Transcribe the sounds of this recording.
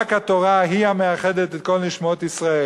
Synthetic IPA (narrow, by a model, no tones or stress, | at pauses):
khat̪oʁaɦiameaχe̞d̪et̪et̪ko̞lniʃmaot̪isʁae